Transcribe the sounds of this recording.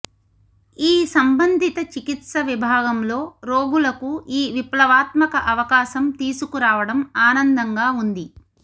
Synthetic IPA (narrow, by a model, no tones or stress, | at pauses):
iːsɐmbɐnd̪ʱit̪ɐt͡ʃikit̪sɐʋibʱaːɡɐmlo̞ːɾoːɡulɐkuiːʋiplɐʋaːt̪mɐkɐʔɐʋɐkaːʃɐmt̪iːsukuɾaːʋɐɽɐmaːnɐnd̪ɐŋɡaːund̪i